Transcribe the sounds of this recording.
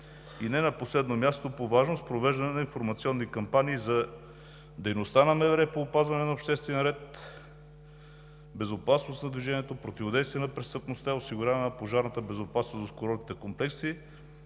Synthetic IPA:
inɛnɐposlɛd̪nomʲjast̪opovaʒnost̪pɾovɛʒd̪ɐnɛnɐinfoɾmɐt̪siɔnːikɐmpaniːzɐ | d̪ɛjnost̪anɐmɛvɾɛpoːpazvɐnɛnɐopʃt̪ɛst̪vɛnɾɛt̪ | bɛzopasnosnɐd̪viʒɛnʲiɛt̪opɾot̪ivod̪ɛjst̪vijɛnɐpɾɛst̪əpnost̪aɛosiɡʊɾʲjavɛnɐpoʒaɾnɐt̪əbɛzopasnosd̪t̪koɾɔlkit̪ɛkomplɛksi

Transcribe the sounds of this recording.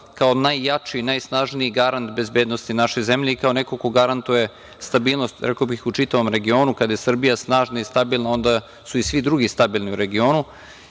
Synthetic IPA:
kaonajːat͡ʂinajsnaʒniiɡaɾant̪be̞zbeːd̪nost̪inaʃo̞jzemʎeikaoneko̞ko̞ɡaɾant̪uje̞ | st̪abiːlˠnost̪ɾekobixut͡ʂit̪aʋo̞mɾe̞ɡio̞ːnukad̪ajesr̩bijasnaːʒnaist̪abilˠnao̞nd̪a | suisʋid̪ɾuɡist̪abilˠniuɾe̞ɡio̞ːnu

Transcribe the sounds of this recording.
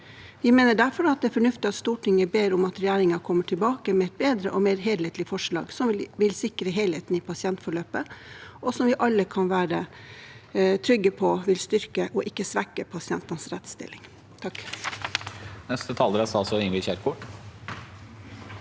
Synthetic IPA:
ʋɪmeːnəɖæɾfɔɾɑt̪̚d̪ɛːfɔɳʉft̪ɪɑt̪st̪uːʈʰɪŋːəbeːɾʊmɑt̪ɾɛjæːɾɪŋɑkʰɔmːəʈʰɪlbɑːkəmɛɛt̪̚beːd̪ɾəʔɔmeːɾɦeːlheːt̪lɪfɔʂɭɑ̰ːɡsɔmʋɪlsɪkɾəɦeːleːt̪n̩ɪpʰɑsɪɛnt̪fɔɭøːpəʔɔsɔmʋɪʔɑlːəkʰɑnʋæːɾə | t̪ʰɾʏɡəpʰɔʋɪlst̪ʏɾkəʔɔʔɪkːəsʋɛkːəpʰɑsɪɛnt̪ɑnsɾɛt̪st̪ɪ̰lːɪŋ | t̪ʰɑk | nɛst̪ət̪ʰɑːld̪əɾɛsɑlsɔɪŋʋɪçæːɾkʰʊʈ

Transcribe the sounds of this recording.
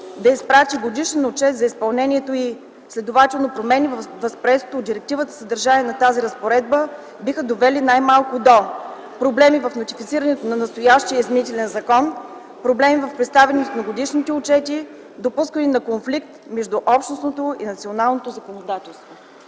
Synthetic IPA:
d̪ɐispɾat̪iɡod̪iʃɛnʊt͡ʃɛt̪zɐispɐlˠnɛnʲiɛt̪oi | slʲɛd̪ovat̪ɛlˠnopɾomɛnivvəspɾɛso̥t̪oːd̪iɾɛk̚t̪ivət̪ə̥səd̪əɾʒaniɛnɐt̪aziɾəspoɾɛd̪̚bə | bixəd̪ovɛlinajmalˠkʊd̪o | pɾoblɛmivɐfnot̪ifit̪siɾənɛt̪onɐnɐst̪ojaʃt̪ijəizminit̪ɛlɛnzɐkɔn | pɾoblɛmivɐfpɾɛt̪st̪avɛnost̪nɐɡod̪iʃnit̪ɛʊt͡ʃɛt̪i | d̪opuskəninɐkonflikt̪mɛʒd̪uʔɔpʃt̪nosnot̪oḭnɐt̪sionalˠnot̪ozɐkonod̪at̪ɛlˠst̪vo

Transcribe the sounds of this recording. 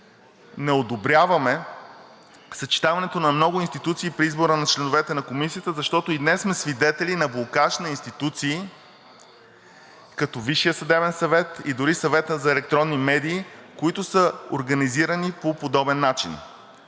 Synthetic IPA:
nɛod̪obɾʲjavɐmɛ | sɐt͡ʃi̥t̪avɐnɛt̪onɐmnɔɡʊinst̪it̪ut̪siːpɾiizboɾənɐt͡ʃlɛnovɛt̪ɛnɐkomisijət̪əzɐʃt̪ɔt̪oid̪nɛsmɛsvid̪ɛt̪ɛlinɐbokaʃnɐinst̪it̪ut̪siː | kɐt̪ɔviʃijəsɐd̪ɛbɛnsɐvɛt̪id̪ʊɾisɐvɛt̪əzɐɛlɛk̚t̪ɾɔnːimɛd̪iːkoit̪ʊsəo̰ɾɡɐniziɾənipopod̪ɔbɛnːat͡ʃḭn

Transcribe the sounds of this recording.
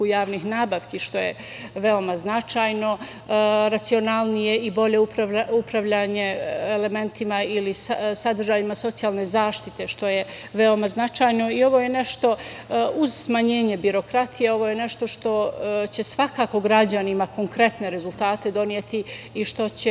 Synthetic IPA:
kujaːʋnixnaːbaʋkiʃt̪o̞jḛ | ʋe̞o̞maznat͡ʃaːjno̞ | ɾat̪sio̞nalˠnije̞ibo̞ʎe̞upɾaaupɾaʋʎaːɲe̞ele̞me̞nt̪imailissad̪r̩ʒaːʎimaso̞t̪sijaːlˠne̞zaːʃt̪it̪e̞ʃt̪o̞je̞ | ʋe̞o̞maznat͡ʃaːjno̞io̞ʋo̞jene̞ʃt̪o̞uzsmaɲe̞ːɲe̞biɾo̞kɾat̪ʰijeo̞ʋo̞jene̞ʃt̪o̞ʃt̪o̞t͡ɕe̞sʋakaːko̞ɡɾad͡ʑanimako̞ŋkɾe̞t̪ne̞ɾe̞zulˠt̪aːt̪e̞d̪o̞nijet̪iiʃt̪o̞t͡ɕe

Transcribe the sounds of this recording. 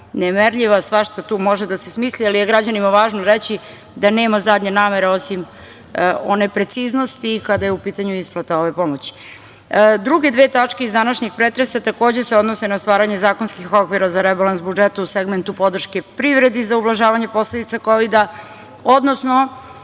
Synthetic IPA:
nemeɾʎiʋasʋaʃt̪at̪uːmo̞ʒed̪asesmiːslialijeɡɾad͡ʑanimaʋaːʒnoɾet͡ɕi | d̪aneːmazad̪ɲenaːmeɾeo̞sim | o̞nepɾet̪sizno̞st̪iːkad̪ajeupiːt̪aɲuisplˠat̪aoʋepo̞mot͡ɕi̥ | d̪ɾuɡe̞d̪ʋet̪at͡ʂke̞izd̪anaʃɲixpɾet̪ɾesat̪ako̞ːd͡ʑe̞seo̞d̪no̞senast̪ʋaːɾaɲezaːko̞nskixokʋiɾazaɾɛbalˠansbud͡ʒet̪auseɡment̪upo̞d̪r̩ʃke̞pɾiʋɾe̞d̪izaublˠaʒaːʋaɲe̞po̞slˠed̪it̪sakoʋid̪a | od̪nosno

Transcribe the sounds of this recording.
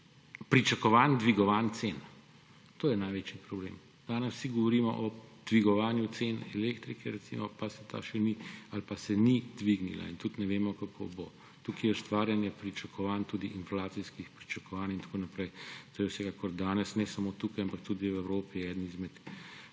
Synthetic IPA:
pɾit͡ʃakɔʋaːnd̪ʋiɡɔʋant̪seːn | t̪oːjɛnajʋeːt͡ʃipɾɔblḛːm | d̪̥aːnɛssiɡɔʋɔɾiːmɔ̰ʔɔd̪̥ʋiɡɔʋaːnjut̪seːnɛleːkt̪ɾikʰɛɾɛt̪sḭmɔpasɛt̪a̰ʃɛnialpasɛnid̪ʋiɡnḭla̰int̪ut̪nɛʋeːmɔkakʰo̰bo | t̪ukijɛst̪ʋaːɾjanjɛpɾit͡ʃakʰɔʋaːnt̪uːd̪iʔinflaːt̪siskixpɾit͡ʃakɔʋaːnint̪ḁkoːnapɾɛjt̪oːjɛwsɛkaːkɔɾd̪aːnɛsnɛsamoːt̪ukajampakt̪ud̪ijɛwɛwɾoːpiɛːd̪nizmɛt̪

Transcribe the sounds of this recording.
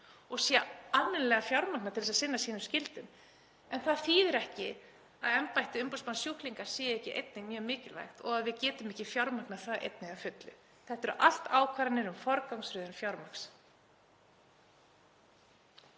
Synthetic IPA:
ɔɣsjɛamːɪnlɛɣafjawɾmaknaɾt̪ʰɪlsaðsɪnːasiːnʏmscɪlt̪ʏm | ɛnθaðθiːðɪɾɛhcɪ | aðɛmpajht̪ɪʏmpawsmansjuhkliŋkaɾ̥sɛːjehcɪʔḛjt̪̚nɪŋmjœːmɪːcɪlva̰jxt̪ɔ̰ɣaðvɪðcɛːt̪ʏmɛhcɪfjawɾmaknaθaːðʔḛjt̪̚nɪɣafʏt̪lʏ̰ | θɛht̪ɛɾʔa̰l̥t̪aːwkʰvaːɾanːɪɾʏmfɔɾkawŋsɾʏːðʏnfjawɾmaks

